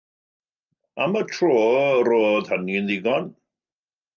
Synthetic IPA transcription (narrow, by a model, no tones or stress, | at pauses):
amatʰroːɾoːdhənɪnðɪɡɔn